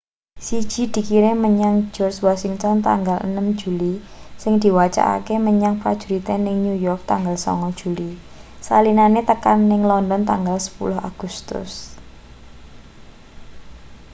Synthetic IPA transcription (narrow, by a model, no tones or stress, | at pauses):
si̥ʒ̥i̤d̪̥i̤kiɾeməɲaŋ̥d͡ʒ̥ɔrswasɪŋt̪ɔnt̪a̰ŋɡalə̰nəmd͡ʒ̥uli | sɪŋd̪̥i̤wat͡ʃa̰ʔa̰keməɲaŋpɾad̥ʒ̥ṳɾit̪enɪŋɲujɔrk̚t̪aŋɡalsɔ̰ŋɔ̥ʒ̥ṳli | salinanet̪əkanːɪŋlɔndɔnt̪aŋɡalsə̥pṵlʊɦa̰ɡ̥ust̪ʊ̰s